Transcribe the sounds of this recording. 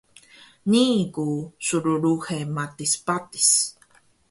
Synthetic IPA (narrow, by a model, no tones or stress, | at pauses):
niːkusuɾuɾuxemat̪ispat̪i̥s